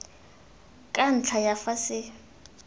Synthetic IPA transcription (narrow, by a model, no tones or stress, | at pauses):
kʼan̩t͡ɬʰajafasɪ